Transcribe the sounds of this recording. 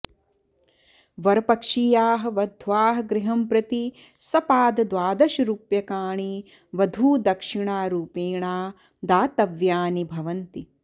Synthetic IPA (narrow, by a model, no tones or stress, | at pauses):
ʋɐɾɐpɐkʂijaːɦɐ̆ʋɐd̪ʱʋaːɦɐ̆ɡɾɪɦɐmpɾɐt̪i | sɐpaːd̪ɐd̪ʋaːd̪ɐʃɐɾuːpjɐkaːɳi | ʋɐd̪ʱuːd̪ɐkʂiɳaːɾuːpeːɳaː | d̪aːt̪ɐʋjaːnibʱɐʋɐnt̪i